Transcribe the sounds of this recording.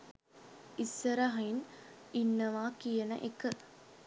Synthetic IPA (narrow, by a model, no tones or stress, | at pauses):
isːɐɾɐɦɐininːɐʋaːkijɐnɐ̰ʔekə